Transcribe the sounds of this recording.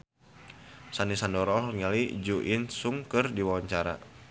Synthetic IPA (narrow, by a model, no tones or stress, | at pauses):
sanisandɔɾɔɦŋalid͡ʒuʔinsuŋkɨrdiwawaɲt͡ʃaɾa̰